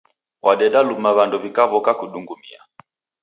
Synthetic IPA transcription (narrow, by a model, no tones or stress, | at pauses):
wʔaɗɛɗalumaβandɔβikaβɔkakuɗuŋɡumḭa̰